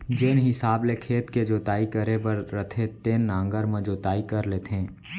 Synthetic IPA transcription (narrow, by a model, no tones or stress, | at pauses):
d͡ʒeːnɦɪsaːblekʰeːt̪ked͡ʒoːt̪aːikəɾepəɾːət̪ʰet̪eːnːãːŋɡəɾmẽd͡ʒoːt̪aːikəɾleːt̪ɦɛ̃ː